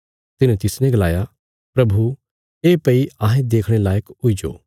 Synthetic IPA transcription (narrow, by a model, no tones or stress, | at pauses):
t̪ɪnẽt̪ɪsnɛ̃ɡɐlaːja | pɾɐbʱu | eːpɐiaːɦẽd̪eːkʰɽ̃elaːjəkʊid͡ʒo̰ː